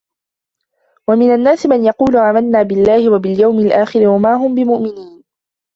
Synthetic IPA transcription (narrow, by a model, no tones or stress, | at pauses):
wamɪnanːaːsɪmanjɑquːlʊʕaːmalnaːbɪlːaːhɪwabɪljawmɪlʔaːxɪɾɪwamaːɦʊmbɪmʊʔmɪniːn